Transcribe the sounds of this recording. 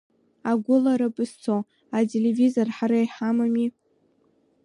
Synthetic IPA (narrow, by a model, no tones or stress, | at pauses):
aɡʷʊlaɾapʼɨst͡sʰo | atʼelevizorħaɾajħamami